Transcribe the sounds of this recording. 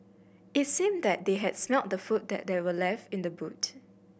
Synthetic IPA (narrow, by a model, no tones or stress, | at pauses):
ɪtsĩmdɛt̚d̪eɦɛdsmɛlt̚dəfut̚d̪ɛ̰t̚dewəlɛftɪ̃ndəbut